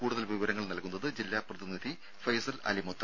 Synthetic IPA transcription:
kuːɽuðɐlʋiʋɐɾɐŋːɐɭnɐlkunːɐðɨd͡ʑilːaːprɐðinid̪i | fɐjsɐlɐ̰limot̪ːɐ

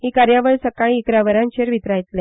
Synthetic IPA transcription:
ɦiːkaɾjaʋəɭsəkaɭiːkɾaʋəɾãnt͡ɕeɾʋit̪ɾajt̪lɛ

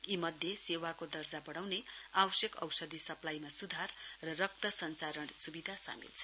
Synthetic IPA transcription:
imʌd̪ʱjesewakod̪ʌrd͡zabʌɽ̃awneawʌsjekʌ̰wsʌd̪ʱisʌplajmasud̪ʱarːʌrʌk̚t̪ʌsʌnt͡saɾʌɳsubid̪ʱasa̰mḭlt͡sʰʌ̥

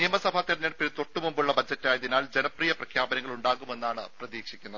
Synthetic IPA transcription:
nijɐmɐsɐbʱaːt̪irɐɲːɐɽɐpːiɾt̪o̞ʈːumumbuɭːɐbɐd͡ʑɐtːaːjɐðinaːld͡ʑenɐprijɐprɐkʰjaːbɐnɐŋːɐɭuɳɖaːɣume̞nːaːɳɨprɐðiːkʂi̥kʲːunːɐð

